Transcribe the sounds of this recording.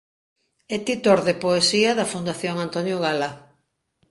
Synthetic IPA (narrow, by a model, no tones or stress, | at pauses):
ɛt̪it̪oɾðepoesiɐðɐfund̪aθjoŋant̪onjoɣala